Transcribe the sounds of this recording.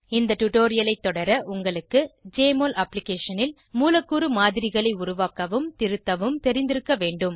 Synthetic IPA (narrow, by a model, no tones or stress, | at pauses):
ɪnd̪ɐʈʊʈoːɾɪjɐlɐɪt̪ːɔɽɐɾɐʔʊŋɡɐɭɯkːɯd͡ʒeːmoːlʔɐpːlɪkeːʂɐnɪl | muːlɐkːuːɾɯmaːðɪɾɪɣɐɭɐɪʊɾʊʋaːkɐʋɯmt̪ɪɾɯt̪ːɐʋɯmt̪ɛɾɪnd̪ɪɾɯkːɐʋeːɳɖɯm